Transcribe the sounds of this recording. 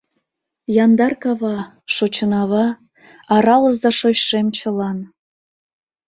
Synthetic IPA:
jɑnd̪ɑrkɑβɑ | ʃot͡ɕənɑβɑ | ɑɾɑləzd̪ɑʃoɕʃemt͡ɕə̆lɑn

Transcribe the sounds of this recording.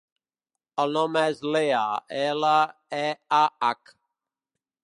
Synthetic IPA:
əlnɔmɛzleaɛlaɛaak

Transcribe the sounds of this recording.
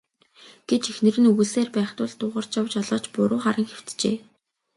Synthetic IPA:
ɡ̥et͡ɕexnɘ̆rɘ̆nuɣɘ̆seːrpæːχt̪ʊːɮt̪ʊːʁə̆r̥t͡ɕjawt͡ɕɔɮɔːt͡ɕpʊɾʔʊːχaɾə̆ŋxew̥t̪t͡ɕḛː

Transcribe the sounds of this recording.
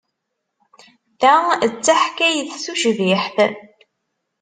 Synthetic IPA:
θæət͡sːaħkæjθsuʒviħθ

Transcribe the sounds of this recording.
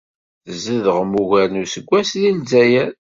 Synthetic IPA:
θəzəðəʁmuʝælnusəɡʷːæsðinzæjæɾ

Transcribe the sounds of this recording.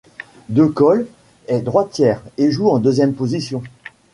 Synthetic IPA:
d̪økɔl | ɛd̪ʁwat̪jɛːʁeʒuɑ̃d̪øzjɛmpozisjɔ̃

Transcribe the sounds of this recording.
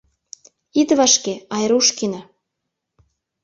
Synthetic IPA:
id̪βɑʃkeɑjɾuʃkinɑ

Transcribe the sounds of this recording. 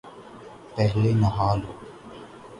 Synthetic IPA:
pɛɦlenɐɦaːlo

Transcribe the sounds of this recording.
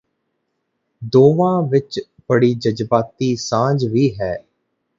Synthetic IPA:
d̪oːʋãːʋɪt͡ʃ | b̥əɽiːd͡ʒəd͡ʒbaːt̪iːsãːd͡ʒʋiːɦɛː

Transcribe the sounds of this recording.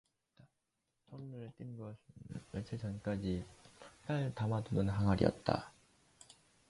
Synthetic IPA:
a | tʰʌŋnɯɾɯɭt͈ʼinɡʌsʰɯt͡ɕʰet͡ɕʰʌnk͈ad͡ʑis͈aɭtamadunɯnɦaŋaɾḭʌ̰t̚t͈a̰

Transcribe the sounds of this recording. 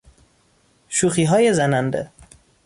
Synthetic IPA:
ʃuːxiːɦɒːjezænænd̪ḛ

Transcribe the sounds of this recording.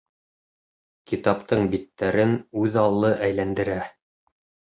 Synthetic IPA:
kit̪ɑpt̪ɤɴbit̪ːæɾɘnʉðɑlˠːɤʔæjlænd̪ɘ̆ɾæ

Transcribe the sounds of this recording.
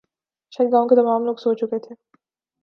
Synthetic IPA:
ʃɐɡaːõket̪ɐmaːmloːɡsoːt͡ʃʊket̪ʰeː

